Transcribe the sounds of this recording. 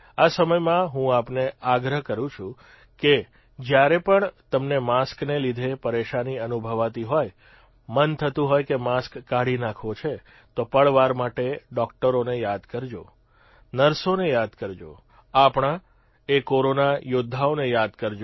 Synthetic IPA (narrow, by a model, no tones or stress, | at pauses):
asəməjmãɦũapneaɡɾəɦkəɾũt͡ʃʰũ | ke | d͡ʒjaɾepəɳt̪əmnemasknelid̪ʱepəɾeʃaniənubʱəʋat̪iɦoj | mənt̪ʰət̪ũɦojkemaskːaɽinakʰʋot͡ʃʰe | t̪opəɭʋaɾmaʈeɖɔk̚ʈəɾonejad̪kəɾd͡ʒo̰ | nəɾsonejad̪kəɾd͡ʒo̰ | apɳã | ekoɾonajod̪ʱːaonejad̪kəɾd͡ʒo